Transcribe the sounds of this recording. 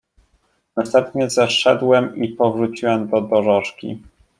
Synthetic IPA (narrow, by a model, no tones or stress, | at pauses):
nast̪ɛmpɲɛzɛʂɛd̪wɛmipɔvɾut͡ɕiwɛmd̪ɔd̪ɔʐɔʂkʲḭ